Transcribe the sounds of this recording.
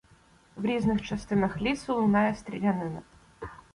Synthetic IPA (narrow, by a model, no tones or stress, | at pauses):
vɾʲiznɨxt͡ɕɐst̪ɨnɨxlʲit̪sɨlnajɛst̪ɾʲɪlʲanɨnɐ